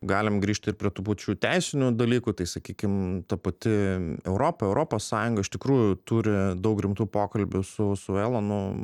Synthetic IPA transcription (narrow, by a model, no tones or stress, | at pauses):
ɡɑːlʲɪmɡɾʲiːʃʲt̪ʲɪrpʲɾʲiɛt̪uːpɐt͡ʃʲuːt̪ʲɛɪsʲɪnʲʊd̪ɐlʲiːkuːt̪ɐɪsɐkʲiːkʲɪmt̪ɐpɐt̪ʲɪɛʊɾoːpɐɛʊɾʔoːpoːssɑːjʊŋɡɐɪʃt̪ʲɪkɾuːjʊt̪uːɾʲɪd̪ɐʊkɾʲɪmt̪uːpoːkɐlʲbʲʊsʊsʊeːlˠɐnʊ